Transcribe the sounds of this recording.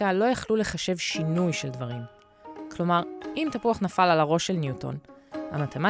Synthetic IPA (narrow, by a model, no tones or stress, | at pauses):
alo̞jaχlule̞χaʃe̞vʃinujʃeldvaʁim | kʰlo̞maʁʔimt̪apuaχnafalalaʁo̞ʃe̞lnjuto̞̰nha̰mat̪ʰema